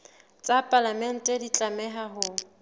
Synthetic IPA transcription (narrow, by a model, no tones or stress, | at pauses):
t͡sʼapʼalamɛn̩tʼɛdit͡ɬʼamɛɦaɦʊ